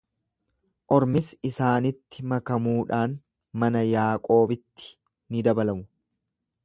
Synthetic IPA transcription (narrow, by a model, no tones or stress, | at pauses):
ʔɔɾmɪsɪsaːnɪt̪ːɪmɐkɐmuːᶑaːn | mɐnɐjaːkʼo̞ːbɪt̪ːɪ̥ | nɪd̪ɐbɐlɐmʊ